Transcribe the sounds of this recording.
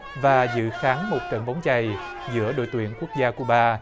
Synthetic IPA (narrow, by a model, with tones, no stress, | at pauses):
vaː˨˩zɨ̰˧˨xaː˨˦ŋmo˨˩t̚kə̰˧˩nɓa˨˦wŋ͡mt͡ɕa˨˩j | zɨ̰˧˥əɗo̰˧˨jt̪wḭ˧˩˨ənku˦˥ək̚zaː˧ku˧˩əɓaː˧